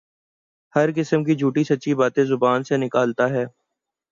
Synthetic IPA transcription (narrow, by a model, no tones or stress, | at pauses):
hɐɾkɪsəmk̬id͡ʒʱuːʈisɐtːʃibaːt̪ẽzʊbaːnsenɪkaːlt̪aɦɛː